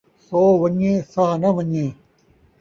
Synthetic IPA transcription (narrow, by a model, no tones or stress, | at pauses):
soːʋɐɲẽsaːnɐʋɐɲẽ